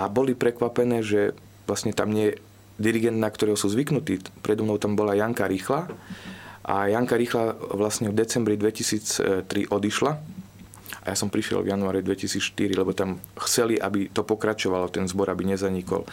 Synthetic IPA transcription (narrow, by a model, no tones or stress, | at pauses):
ʔabɔlipɾɛkʋapɛnɛːʒɛ | ʋlasɲɛt̪amɲɪɛjɛ | d̪iɾiɡɛnd̪nakt̪ɔɾɛːɦɔsuːzʋiknut̪iːpɾʔɛd̪ɔmnɔʊt̪ambɔlajaŋkaɾiːxla | ʔa̰jaŋkaɾiːxlaʋlasɲɛvd̪ɛt͡sɛmbɾid̪ʋɛcisiːt͡st̪ɾiʔɔd̪iʃla | ʔajasɔmpɾiʃjɛ̰lvjanuaːɾid̪ʋɛcisiːt͡sʃt̪iɾilɛbɔt̪amxt͡sɛliʔabit̪ɔpɔkɾat͡ʃɔʋalɔt̪ɛnzbɔɾabiɲɛzaɲikɔ̰l